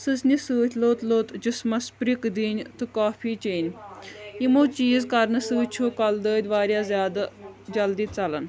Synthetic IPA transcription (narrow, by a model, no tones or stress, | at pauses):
sɨsnʲisɨːt̪ʰʲloːt̪loːt̪d͡ʒismɐspɾikd̪iːnʲt̪ɨkaːpʰiːt͡ʃeːnʲ | imoːt͡ʃiːzkɐɾnɨsɨːt̪t͡ʃʰuːkɐld̪əːd̪ʋaːɾjaːzʲjaːd̪ad͡ʒɐld̪iːt͡sɐlən